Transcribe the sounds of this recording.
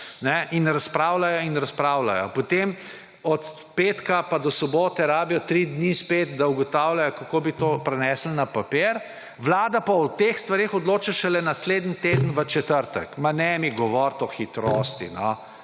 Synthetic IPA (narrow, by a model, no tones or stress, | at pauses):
nɛinɾaspɾawlajɔinɾaspɾaːwla̰jɔ̰pɔt̪em | ɔt̪ | peːt̪kapad̪ɔsɔboːt̪ɛɾaːbijɔt̪ɾid̪nispet̪d̪auɡɔt̪aːwlajɔkakobit̪opɾɛnɛːsl̩napapeːɾ | ʋlaːd̪apawt̪exst̪ʋaɾexɔd̪loːt͡ʃaʃɛlɛnasleːd̪nit̪eːd̪ən̩ʋət͡ʃɛt̪əɾt̪ə̰kmanɛmiɡɔʋɔɾt̪ɔxit̪ɾost̪ḭnɔ